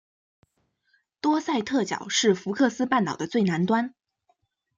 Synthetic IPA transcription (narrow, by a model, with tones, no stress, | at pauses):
t̪wɔ˥sa˥˧ɪt̪ʰɤ˥˩t͡ɕjɑ̰˨˩ʊʂɻ̩˥˩fu˧˥kʰɤ˥˩sɹ̩˥pa˥˩nt̪ɑ˨˩ʊd̪ə˦t͡swe˥˩ɪna˧˥nt̪wa˥n